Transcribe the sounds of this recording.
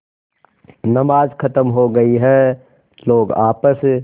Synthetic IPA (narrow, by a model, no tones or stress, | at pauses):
nəmaːd͡ʒkʰɐt̪əmɦoɡɐiɦɛ | loːɡaːpəs